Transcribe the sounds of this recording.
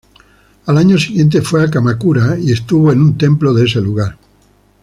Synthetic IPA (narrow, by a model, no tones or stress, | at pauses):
alaɲosiɣje̞nt̪̬efweakamakuɾaie̞st̪uβoenũnt̪ẽ̞mploðes̬e̞luɣ̞aɾ